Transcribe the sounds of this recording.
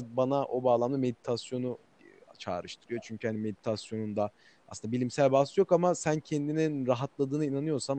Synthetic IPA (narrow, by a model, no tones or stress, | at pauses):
banaʔo̞baːlˠamlˠame̞d̪it̪ʰasjo̞nu | t͡ʃʰa̰ːɾɯʃt̪ʰɯɾɯjo̞t͡ʃʰyɲcʰyhanime̞d̪it̪ʰasjo̞nund̪a | a̰sɯnd̪abilʲimsælʲbast̪ˠjo̞kamasæncʰend̪ininɾaɦat̪lˠad̪ɯːnɯinanɯjo̞ɾsam